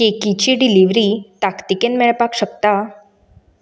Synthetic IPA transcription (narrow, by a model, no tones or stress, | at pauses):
kekit͡ɕiɖiliʋɾit̪akt̪ikenmɛɭpakɕək̚t̪a